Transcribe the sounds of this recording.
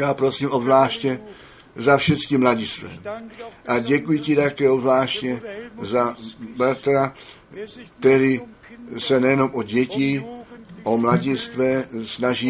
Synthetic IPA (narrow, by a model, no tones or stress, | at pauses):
jaːpɾo̞siːmʔobzlaːʃcɛ | zafʃɛt͡skɪmlaɟɪst̪vɛ̰ːʔaɟɛkujɪcɪt̪akɛːobzlaːʃcɛzabɾat̪ɾa | kt̪ɛɾɪ | sɛnɛjɛno̞mʔoɟɛcɪ | ʔomlaɟɪst̪vɛsnaʒi